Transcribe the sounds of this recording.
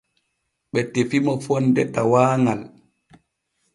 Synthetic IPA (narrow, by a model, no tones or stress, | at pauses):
ɓɛtefimɔfɔndɛtawaːŋal